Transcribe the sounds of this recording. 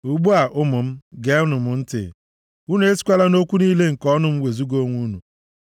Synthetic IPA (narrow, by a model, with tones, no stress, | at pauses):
u˨ɡ͡bu˦a˨ʔʊ˦mʊ˨m̩˦ɡe˦ʊ˦nʊ˨mʊ˨n̩˦tɪ̰˨ | u˦nu˦e˦si̥˦kʷa˦la˦no˦kʷu˦niː˦le˦ŋ̩˨kɔ˦nʊ˨m̩˦we˨zu˦ɡo˦ŋʷu˦nu˨